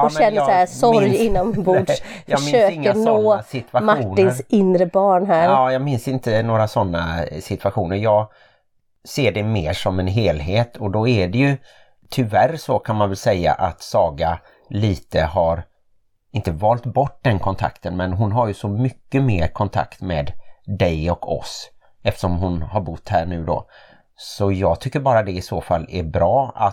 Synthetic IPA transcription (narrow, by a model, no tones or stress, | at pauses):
ɔɕɛnːəsaæsɔɾjɪnːɔmbuːfjɑəmɪøːɪŋːənsnoːsɪt̪ʰvaɧmauʈːnːɪnɾsɪnɾəbɑːɳɦæːɾɑːjɑːɡmɪnsɪnt̪ənoːɾasɔnːa̰sɪt̪ʰvaɧuːnəɾjɑːɡ | seːɖɛmeːʂɔmɛnɦeːlɦeːt̪ʰɔd̪ɔæɖɛjɵ | t̪ʰʏvæɾsɔkʰanmanvɛlsɛjːa̰ʔat̪sɑːɡa | liːt̪əhaɾ | ɪnt̪əvɑːlt̪bɔʈ̚ːd̪ɛnkʰɔnt̪ʰa̰kt̪ənmɛnɦʊnɦaɾjɵsɔmʏkːəmeːɾkʰɔnt̪ʰa̰kt̪mɛːd̪d̪ɛjɔkʰɔ̰s | ɛft̪ə̥ʂɔmɦʊnhaɾbʊt̪ːhæːɳʉ̟ːd̪ɔ̰ | sɔjɑːɡt̪ʰʏkːəɾbɑːɾad̪ɛɪsoːfalːæɾbɾɑːa̰